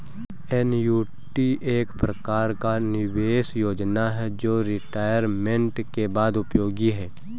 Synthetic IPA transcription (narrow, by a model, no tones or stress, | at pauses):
ɛnjuː | ʈiʔeːkpɾəkaːɾkanɪʋeːʃjoːd͡ʒnaɦɛd͡ʒoːɾɪʈaːjəɾmẽɳʈkebaːd̪ʊpjoːɡiɦɛː